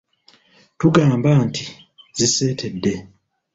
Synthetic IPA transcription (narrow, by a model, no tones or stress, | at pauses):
tuɡaːmbanti | zise̞ːtʰe̞dːe̞